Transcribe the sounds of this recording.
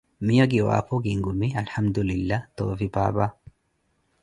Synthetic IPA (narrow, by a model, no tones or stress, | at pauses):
mɪjɔɡɪwa̰ːfɔɡɪŋɡʊmiɐlħɐmd̪ʊlɪlːat̪o̰ːfɪbaːbaː